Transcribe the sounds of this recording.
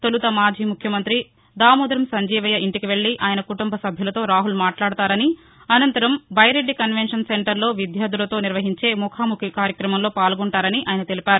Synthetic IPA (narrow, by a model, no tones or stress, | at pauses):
t̪olut̪ɐmaːd͡ʒʱiːmukʰjɐmɐnt̪ɾi | d̪aːmuːd̪ɐɾɐmsɐɲd͡ʒiːʋɐjɐiɳʈikiʋe̞ɭːiʔaːjɐnɐkuʈumbɐsɐbʱjɐlɐt̪o̞ːɾaːɦulmaːʈlaːɽt̪aːɾɐni | ɐnɐnt̪ɐɾɐmbʱɐjɾe̞ɖːikɐnʋenʂɐnseɳʈɐɾlo̞ːʋid̪jaːd̪ulɐt̪o̞ːniɾʋɐɦiɲt͡ʃe̞ːmukʰaːmukʰikaːɾjɐkɾɐmɐmlo̞ːpaːlɡɔɳʈaːɾɐniʔaːjɐnɐt̪elipʲaːɾu